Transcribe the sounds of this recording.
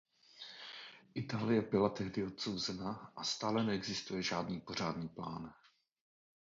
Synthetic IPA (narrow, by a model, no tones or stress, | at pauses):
ʔɪt̪aːlɪjɛbɪlat̪ɛɦdɪo̞t̪̚sowzɛnaʔast̪aːlɛnɛɛɡzɪst̪ujɛʒaːdniːpo̞r̝aːdniːpla̰ːn